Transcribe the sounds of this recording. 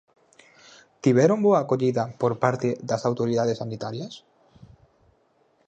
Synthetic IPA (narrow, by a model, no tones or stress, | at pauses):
t̪iβɛɾomboaːkoʎiðapoɾpaɾt̪eðasawt̪oɾiðað̞esanit̪aɾjas